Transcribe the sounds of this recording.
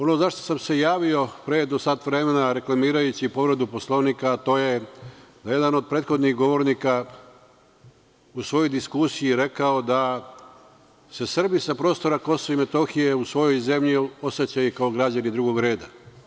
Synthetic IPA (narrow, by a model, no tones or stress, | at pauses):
o̞no̞zaʃt̪o̞samse̞jaːʋio̞pɾe̞d̪osat̪ʋɾe̞me̞naɾe̞klˠamiːɾajut͡ɕipo̞ʋɾe̞d̪upo̞slˠonikaːt̪o̞ːje̞d̪aje̞d̪ano̞d̪̚pɾeːt̪xo̞d̪niɣɡo̞ʋo̞ɾnika | usʋo̞jo̞jd̪iskusijiɾe̞kao̞d̪a | se̞sr̩bisapɾo̞ːst̪o̞ɾako̞soime̞t̪o̞xije̞usʋo̞jo̞jze̞mʎio̞se̞t͡ɕajukao̞ɡɾad͡ʑanid̪ɾuɡo̞ɡɾe̞ːd̪a